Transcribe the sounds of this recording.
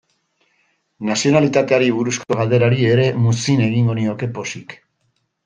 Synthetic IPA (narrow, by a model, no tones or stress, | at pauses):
nasio̞nalit̪at̪e̞aɾiβuɾusko̞ɣalðd̪e̞ɾaɾie̞ɾe̞musine̞ɣiŋɡo̞nio̞ke̞po̞sik